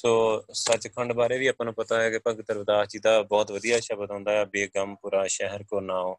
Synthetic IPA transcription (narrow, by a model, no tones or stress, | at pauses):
soːsət͡ʃkʰəɳɖbaːɾeːʋiːaːpãːnũːpət̪aːɦɛːkɪpəɡt̪əɾʋd̪aːt͡ʃid̪aːbɔːt̪ʋəd̪ijaːʃəbəd̪ãːnd̪aːɛːbeːɡəmpuːɾaːʃɛɦəɾkoɾnaːoː